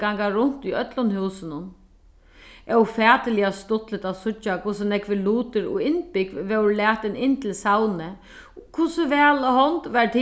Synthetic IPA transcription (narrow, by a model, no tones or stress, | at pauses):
ɡaŋkaɾʊn̥t̪iœt̪lʊnhʉwsɪnʊn | ʔɛwfɛːt̪ɪlɪast̪ʊt̪lɪt̪awsʊt͡ʃːakʰʊsɪnɛkʋɪluːt̪ɪɾɔ̰ɪnpɪkʋɛwɾlɛːt̪ɪnɪnːt̪ʰɪlsawnɪ | kʰʊsʊʋɛːlhɔnt̪ʋaɾt̪ʰɪ